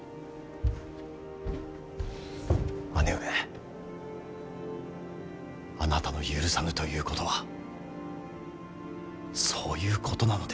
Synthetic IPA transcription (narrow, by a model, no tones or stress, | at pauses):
manee | anat̪ano̞jɯ̟ːɾɯ̟samɯ̟t̪o̞jɯ̟ːko̞t̪o̞βa | so̞ːjɯ̟ːkʰo̞t̪o̞nano̞d̪e